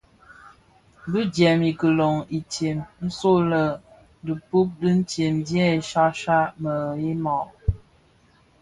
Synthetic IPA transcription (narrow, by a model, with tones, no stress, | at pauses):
bi˦d͡ʒjɛ˨mi˨kə˨lo˨ŋi˨tje˨mn̩˦so˦lə˨ | də˨pu˦p̚də˦n̩˦tje˨mdjɛ˦i˨ʃa˦ʃa˦mə˨i˦mɔ˨ʔ